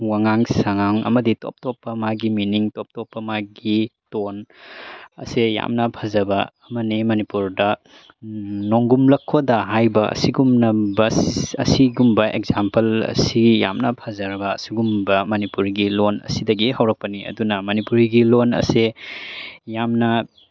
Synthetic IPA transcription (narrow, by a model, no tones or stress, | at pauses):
waŋaŋsaŋaŋɐ̰mɐdito̰p̚topːɐmaɡiminiŋtop̚topːɐmaɡiton | ɐ̰seja̰mnɐpʰazɐbɐːmɐnimɐnipuɾdɐ | noŋɡumlɐkʰːodɐɦajbɐʔɐ̰siɡumnɐbɐsɐ̰siɡumbɐʔḛkzampɐlɐ̰sija̰mnɐpʰazaɾbɐːsiɡumbɐmɐnipuɾɡilonɐ̰sidɐɡihawɾɐk̚pɐniɐ̰dunɐmɐnipuɾɡilonɐ̰se | jamnɐ